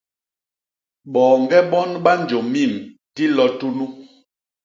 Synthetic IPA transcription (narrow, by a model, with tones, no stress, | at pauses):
ɓɔː˨ŋɡɛ˦ɓɔ˦nɓa˦nd͡ʒo˨mi˦˨m | ti˦lɔ˦tu˦nu˦